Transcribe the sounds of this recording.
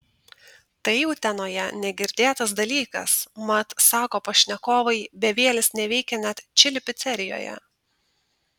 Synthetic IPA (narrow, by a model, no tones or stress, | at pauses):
t̪ɐɪjɛʊt̪ʲɛnoːjɛnʲɛɡʲɪɾʲd̪ʲeːt̪ɐs̬d̪ɐlʲiːkɐ̰smɐt̪sɑːkoːpɐʃʲnʲɛkoːʋɐɪbʲɛʋʲeɛlʲɪsnʲɛʋʲɛɪkʲɛnʲæt̪t͡ʃʲɪlʲɪpʲɪt̪sʲɛɾʲɪjo̰ːjɛ̰